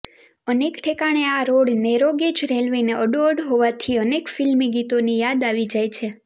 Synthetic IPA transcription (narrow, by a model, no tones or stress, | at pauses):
ənekʈʰekaɽ̃eaɾoɽneɾoɡed͡ʒɾelʋeneəɖoəɽɦoʋat̪ʰiənekfilmiɡit̪onijad̪aʋid͡ʒajt͡ʃʰe